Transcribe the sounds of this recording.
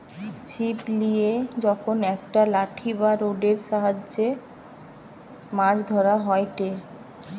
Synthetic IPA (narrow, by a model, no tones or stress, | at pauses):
t͡ɕiplijed͡ʑɔkʰonɛk̚ʈalaʈʰibaɾoɖeɾʃaɦad͡ʑːe | mad͡ʑd̪ʱɔɾaɦɔeʈe